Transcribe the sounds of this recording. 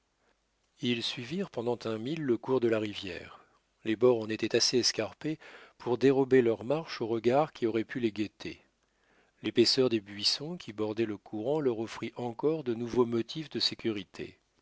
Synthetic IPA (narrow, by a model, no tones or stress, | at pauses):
ilsɥiviʁpɑ̃d̪ɑ̃t̪ɛ̃milːəkuʁd̪əlaʁivjɛ̰ːʁ | lebɔʁɑ̃net̪ɛt̪aseɛskaʁpepʰuʁd̪eʁɔbelœʁmaʁʃoʁəɡaʁkʲiɔʁɛpʰyleɡʲet̪ʰḛ | lepesœʁd̪ebɥisɔ̃kʲʰibɔʁd̪ɛləkʰuʁɑ̃lœʁɔfχiʔɑ̃kɔʁd̪ənuvomɔt̪ʰifd̪əsekʲyʁit̪ʰḛ